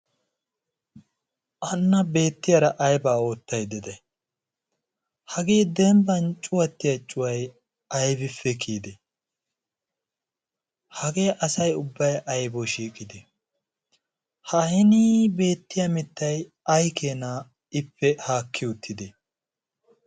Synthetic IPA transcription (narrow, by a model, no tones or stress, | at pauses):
ʔɐnːɐbe̞ːt̪ːɪjɐɾɐʔɐjbaːo̞ːt̪ːɐjd̪ɛd̪ɛ | hɐɡe̞ːd̪ɛmbɐnt͡ʃʼʊwɐt̪ːɪjɐt͡ʃʼːʊwɐj | ɐjbɪfːɛkʰiːd̪ɛ | hɐɡe̞ːʔɐsɐjʊbːɐjʔɐjboʃiːkʼɪd̪ɛ | hɐhɪnibe̞ːt̪ːɪjɐmɪt̪ːɐj | ɐjkʰeːnaː | ɪpːɛhaːkʰːɪʊt̪ːɪd̪e